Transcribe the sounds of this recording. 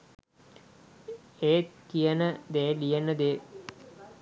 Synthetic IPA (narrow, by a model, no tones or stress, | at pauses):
eːt̪̚kijənəd̪eːlijənəd̪eː